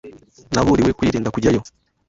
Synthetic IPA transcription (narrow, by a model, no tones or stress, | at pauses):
naβuɾiwekwiːɾiːndakuɟajo